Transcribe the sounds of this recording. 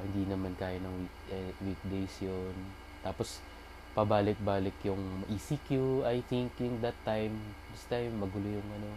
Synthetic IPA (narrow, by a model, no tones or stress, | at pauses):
hɪnd̪inɐmankaːjonɐŋwik̚ɛwik̚d̪ejsjon | t̪aːpos | pɐbaːlɪk̪̚baːlɪkjʊŋmɐʔisikjuajθɪŋkjʊŋd̪ɐt̪ːajmd̪ɪst̪ajmːɐɡʊlʊjʊŋʔɐno̞